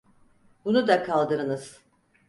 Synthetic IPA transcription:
bunud̪akʰalˠd̪ɯɾɯnɯz̥

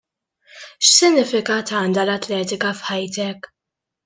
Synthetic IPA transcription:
ʃsɪnːɪfɪkɐt̪ɐːnd̪ɐlɐt̪lɛːt̪ɪkɐfħɐjt̪ɛk

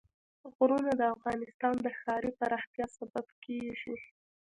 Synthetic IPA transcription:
ɣɾunad̪əafɣɑnɪst̪ɑnd̪əxɑɾipaɾɑxt̪jɑsababkʰeʒi

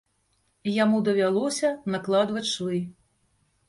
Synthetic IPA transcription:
jamud̪ɐvʲalˠɔsʲɐnɐklˠad̪vɐt͡sʲʂvɨ

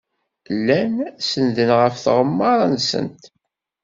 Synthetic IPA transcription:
lːænsənðənʁəfθʁəmːɑɾˤɑnsə̰nt̪

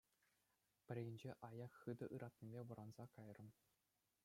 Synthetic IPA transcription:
pʲɘ̆ɾʲĕɡʲɘ̆nʲd͡ʑeʔɑjɑkχɯd̪ɤ̆ʔɯɾʔɑt̪̚ʲnʲibʲeʋɤ̆ɾɑnzɑkɑjrɤ̆m

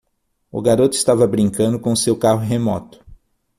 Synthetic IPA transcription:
ʊ̰ɡaɾot̪ʊɪst̪avɐbɾĩŋkɐ̃nd̪ʊkõʊsewkaɦʊɦemɔ̰t̪ʊ̥

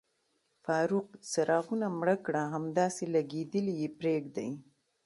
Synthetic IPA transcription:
fɑɾuq̚saɾɑɣunamɽəkɽaɦamd̪ɑselaɡed̪əlijepɾeɡd̪aj

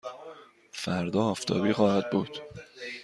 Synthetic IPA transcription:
fæɾd̪ɒːɒːft̪ʰɒ̰ːbiːxɒːhæd̪̚buːd̪̥

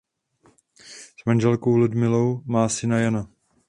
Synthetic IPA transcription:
z̥manʒɛlkowludmɪlo̞wmaːsɪnajana

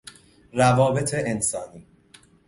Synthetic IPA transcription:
rævɒːbe̞t̪ʰeʔensɒːniː

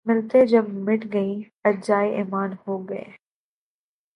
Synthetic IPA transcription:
mɪlt̪ed͡ʒɐbmɪʈɡɐi | ɐd͡ʒaːiʔeːmaːnhoːɡɐḛː

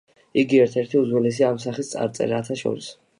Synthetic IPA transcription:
iɡiɛɾt̪ʰɛɾt̪ʰiuzwɛlɛs̬iaːmsaχist̪sʼa̰ɾt̪sʼɛ̰ɾaːt̪ʰaʃɔ̰ɾis

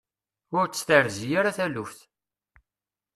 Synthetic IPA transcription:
ʊɾt͡sːt̪əɾzjaɾaθælufθ

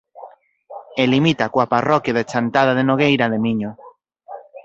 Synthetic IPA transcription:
elimit̪akwaparɔkjaðet͡ʃant̪að̞aðenoɣ̞ejɾaðemiɲo

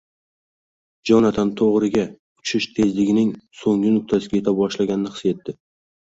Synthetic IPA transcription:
d͡ʒɒnat̪ʰant̪ʰoʁɾɪɡʲa | ʊt͡ʃʰɪʃt̪ʰe̞zlɪɡʲɪnɪŋsoŋʲɪnʊk̚ʲt̪ʰasɪɡʲaje̞t̪ʰab̚bɒʃlaɡʲanɪnɪqʰɨ̥se̞t̪ːɪ

